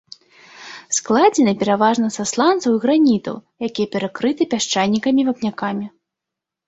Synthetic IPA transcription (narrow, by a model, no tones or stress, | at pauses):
sklˠad͡zʲɛnɨpʲɛɾavaʐnɐsaslˠant̪sɐwiɣɾanʲit̪ɐ̰wjakʲijɛpʲɛɾakɾɨt̪ɨpʲaʂt͡ʂajnʲikɐmʲivɐpnʲakamʲi